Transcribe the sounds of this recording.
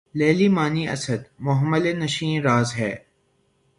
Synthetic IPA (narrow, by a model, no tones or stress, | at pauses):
leːlimaːniʔɐ̰səd̪mʊɦəməlenɐʃĩːɾaːzɦɛː